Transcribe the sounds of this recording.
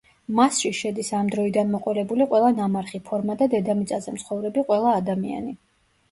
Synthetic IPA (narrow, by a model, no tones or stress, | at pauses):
masʃiʃɛd̪isamd̪ɾɔid̪anmɔqʼɔlɛbuliqʼwɛlˠanamaɾχipʰɔɾmad̪ad̪ɛd̪amit̪sʼazɛmt̪sʰχɔvɾɛbiqʼwɛlˠaːd̪amia̰ni